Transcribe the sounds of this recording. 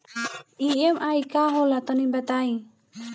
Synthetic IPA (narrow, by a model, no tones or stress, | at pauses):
iɛmajkaɦɔlat̪ɔnibat̪aj